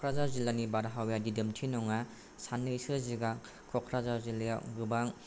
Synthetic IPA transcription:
kʰɾazazilanibaɾaɦawjadidɯmtʰinɔŋa | sanːɯjsɯziɡa | kʰɔkʰɾazaziljaɡɯbaŋ

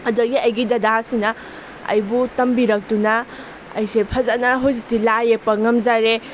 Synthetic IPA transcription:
ɐdɐɡiɐjɡidɐdasinɐ | ɐ̰jbutɐmbiɾɐk̚tunɐ | ɐ̰jsepʰɐzanaɦozitilajepɐŋɐmzaɾe

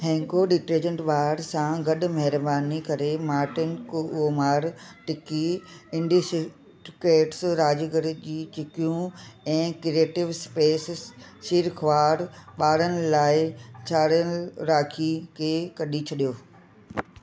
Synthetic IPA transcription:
ɦɛ̃ːŋkoɗɪʈɾeːd͡ʑə̃ɳʈɓaːɾsãɡɐɗʊ̆mɐɦɪɾbaːnikɐɾemaːʈɪnkoomaːɾʈɪkiɪ̃ɳɖisɪ | ʈkeːʈsɾaːd͡ʑɡəɾ̆d͡ʑiːt͡ɕɪkjũɛ̃ːkɾieːʈɪʋspeːssiːɾkʰʋaːɾɓaːɽənɪ̆laːɪt͡ɕʰaːɽənɾaːkʰikʰeːkɐɗit͡ɕʰɐɗijoː

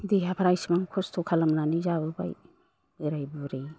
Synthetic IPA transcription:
diɦapʰaɾajsimaŋkʰostʰokʰalamnanizabuba̰j | ɯɾajbuɾe

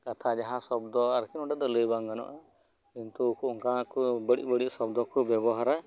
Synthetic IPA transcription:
kat̪ʰad͡ʒaɦãsɔb̚d̪ɔaɾkʰinɔʈad̪ɔləjbaŋɡanɔ̰ʔa | kint̪ukuɔŋkakubəɽḭʔbəɽisɔbd̪ɔkubjɛbɔɦaɾa

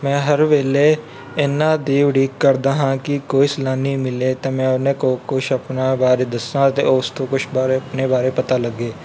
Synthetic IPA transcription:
mɛ̃ːɦəɾʋeːle | ɪnaːd̪eːʋɖiːkːəɾd̪aːɦãːkikoːislaːnĩːmɪleːt̪eːmɛ̃ːnẽːkokʊt͡ʃʰəpnaːbaːɾed̪əsãːt̪ḛoːst̪õkʊt͡ʃʰbaːɾeɐpneːbaːɾepət̪aːləɡeː

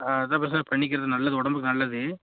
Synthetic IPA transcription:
aɐðãːp̬ɐɾɐt͡ʃɪnapɐɳːɪk̬ːɪɾɐðɯnɐlːɐðɯɔɽɐmbɯkːɯnɐlːɐðɯ

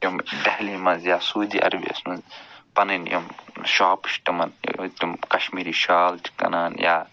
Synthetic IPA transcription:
jomɖɐhlimɐzjaːsuːd̪ḭːʔɐ̰ɾbḭɐ̰smɐzpɐnɐnjo̰mʃaːpʃʈɐmɐnt̪umkɐʃmiːɾiːʃaːlti̥kɐ̰naːnja̰ː

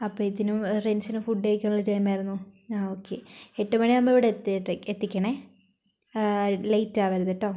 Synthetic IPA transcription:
ɐpːoːit̪ːinumrensinɨfuɖːeikʲːɐnɐɭlːɐtɐjmaːjɾunːuaːoːkːḛeʈːumɐɳinɐmːboiʋiɽet̪ːʈːeet̪ːikʲːɐɳe | lejtːaːʋɐɾuðeʈːoː

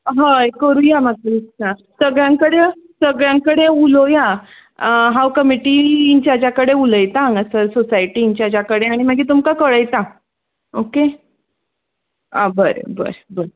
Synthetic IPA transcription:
ɦajkəɾuːjamat̪əiasəɡɭjãŋkəɽesəɡɭjãŋkəɽeuloja | ɦawkəmiʈiːiɲt͡ɕjad͡ʑjakəɽeuləjt̪aŋɡəsəsosajʈiːɲt͡ɕjad͡ʑjakəɽeaɽ̃imaɡiːt̪umkakəɽəjt̪a | oke | ãbəɾə̰bə̰ɾəbəɾ

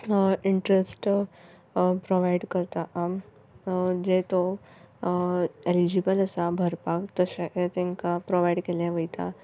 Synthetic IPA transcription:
iɳʈɾesʈ | pɾoʋaiɖkəɾt̪aʔam | d͡ʑet̪o | elid͡ʑibələsabʱəɾpakt̪əɕeʔt̪ẽŋkapɾoʋajɽkelẽʋəjt̪a

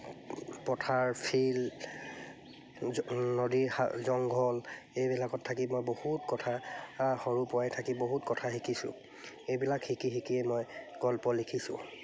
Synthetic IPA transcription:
pɔtʰaɹpʰil | nodiɹa̰zɔŋɡʱɔlejbilakɔtʰːakimojbohutkɔtʰaxɔɹupɔajtʰakiboɦutkɔtʰaxikʰisʊ̰̃ | ejbilakhikixikiɛmɔjɡ̥ɔlpɔlikʰisʊ̰̃

